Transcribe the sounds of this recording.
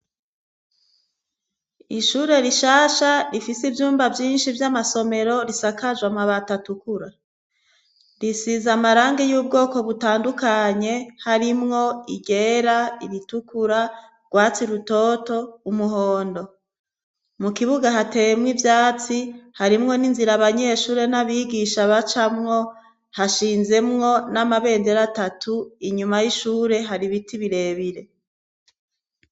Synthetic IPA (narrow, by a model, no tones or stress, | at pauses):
iʃuːɾe̞ɾiʃaːʃaɾifisivjuːmbavjiːnʃivjamaso̞me̞ɾo̞ɾisakad͡ʒwamaβatatukuɾa | ɾisizamaɾaːŋɡejuːb̚ɡo̞ːko̞βutaːndukaɲe̞haɾimŋo̞iɟe̞ɾaiɾitukuɾa | ɡ̥waːt͡siɾuto̞to̞umuɦo̞ːndo̞ | mukiβuɡaɦate̞jmŋivjaːt͡sihaɾimŋo̞ninziɾaβaɲe̞ʃuːɾe̞naβiːɡiʃaβat͡ʃamŋo̞ | haʃiːnze̞mŋo̞namaβe̞ːndeɾatatʰuiɲumajiʃuːɾe̞ɦaɾiβitiβiɾe̞ːβiɾe̞